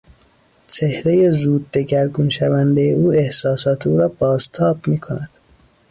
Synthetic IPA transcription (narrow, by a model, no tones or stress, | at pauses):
t͡ʃʰe̞hɾe̞je̞zuːd̪̚ːe̞ɟæɾɡunʃævænd̪e̞jeuːe̞hsɒːsɒːt̪ʰeuːɾɒːbɒːzt̪ʰɒːbmiːkʰo̞næd̪̥